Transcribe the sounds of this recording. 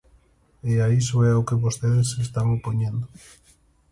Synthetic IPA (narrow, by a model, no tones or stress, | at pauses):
eaisoɛokeβost̪eðesest̪aŋopoɲẽnd̪o